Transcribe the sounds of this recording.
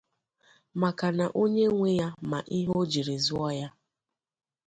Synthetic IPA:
ma˨ka˨na˨ʔo˦ɲe˦ŋʷe˦ja˦ma˨ʔi˦ɦo˦d͡ʒi˨ɾe˨zʊ˦ɔ˦ja˦

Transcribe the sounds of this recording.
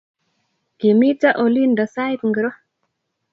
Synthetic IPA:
ɡe˨mi˦ta˦ʔo˨li˦nda˨sa˦i˦t̪̚ŋɡə˨ɾɔ˦

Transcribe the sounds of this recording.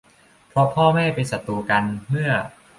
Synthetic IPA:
pʰɾɔ˦˥pʰɔː˥˩mɛː˥˩pa˧jsa˨˩t̪ːuː˧ka˧nmɯ˥˩ɐ

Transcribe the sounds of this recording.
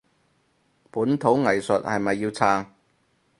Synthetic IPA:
puː˨˥nt̪ʰo˨˥wŋɐ˨˩jsɵ˨t̚hɐ˨jmɐ˨jːiː˧wt͡sʰaː˧ŋ

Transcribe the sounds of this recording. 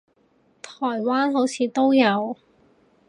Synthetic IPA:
t̪ʰɔː˨˩jwaː˥nɦo˨˥wt͡sʰiː˨˧t̪o˥wjɐ˨˧w

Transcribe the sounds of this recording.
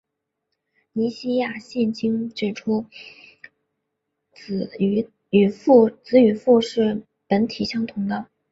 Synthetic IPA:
ni˧˥ɕi˥ja˥˩ɕjɛ˥˩nt͡ɕi˥ŋʈ͡ʂɻ̩˨˩ʈ͡ʂʰu˥ | t͡s̩˧˩˧ | y˨˩fu˥˧t͡sɹ̩˧˥y˨˧˩fu˥˧ʂɻ̩˥˩ | pə˧˥nt̪ʰi˨˩ɕjɑ˥ŋt̪ʰʊ˧˥ŋd̪ə˧

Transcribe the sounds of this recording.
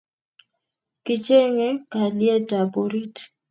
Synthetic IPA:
kɪ˦t͡ʃe˦ŋe˦ka˨lje˦ta˨bo˨ɾi˦t

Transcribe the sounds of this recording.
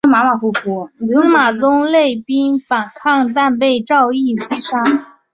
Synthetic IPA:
ma˧˥ma˨˩fu˥˩fu˧˥˧ma˨˩t͡sʊ˥ŋle˥˩ɪpi˥nfa˨˩nkʰɑ˥˧ŋt̪a˥˧np̬e˥˧ɪʈ͡ʂɑ˥˧ʊi˥˩s̩˥˩ʂa˥˩

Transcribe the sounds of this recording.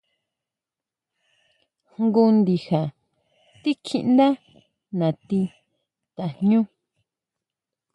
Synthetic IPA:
hŋɡu˧nd̪i˨ha˨ | t̪i˦kʰḭ˧ʔnd̪a˦ | nã˨t̪i˧ | t̪ḁ˨ɲũ˦

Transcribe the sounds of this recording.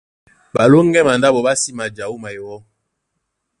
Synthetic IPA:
ba˨lo˦ŋ˦ɡɛ˦ma˨nda˦bɔ˨ba˦si˦ma˨d͡ʒa˨o˦ma˨jɔ˨wɔ˦

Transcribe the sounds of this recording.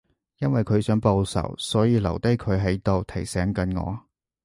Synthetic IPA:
jɐ˥nwɐ˨jkʰɵ˨˧ɥsœː˨˥ŋpo˧wsɐ̰˨˩wsɔː˨˥jiː˨˧lɐ̰˨˩wt̪ɐ˥jkʰɵ˨˧ɥɦɐ˨˥jt̪o˨˧wt̪ʰɐ˨˩jsɛː˨˥ŋkɐ˨˧nŋɔ̰ː˨˧

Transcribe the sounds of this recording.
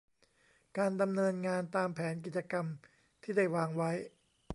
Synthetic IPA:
kaː˧nda˧mnɤː˧nŋaː˧nt̪aː˧mpʰɛː˩˦nk̬i˨˩t̪̚t͡ɕa˧ka˧m | t̪ʰiː˥˩da˥˩jwaː˧ŋwa˦˥j

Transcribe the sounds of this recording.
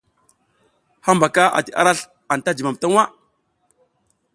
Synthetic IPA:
ha˦mba˨ka˦ʔa̰˨ti˨ʔa̰˦ɾa˦ɬ | a˨n˨ta˦d͡ʒi˨ma˨m˨ta˦ŋwa˦

